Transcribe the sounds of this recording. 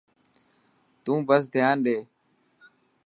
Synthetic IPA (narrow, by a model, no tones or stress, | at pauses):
t̪ũːbəsd̪ʱɪjaːnɗeː